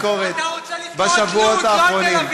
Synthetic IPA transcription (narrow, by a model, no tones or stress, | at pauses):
koʁet̪̚ | baʃavuot̪aːχʁo̞nim